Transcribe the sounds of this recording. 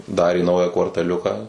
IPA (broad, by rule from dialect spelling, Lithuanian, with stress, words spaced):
ˈdɑːrʲeː ˈnɐʊjæː kʋɐrtɐˈlʲʊkɐ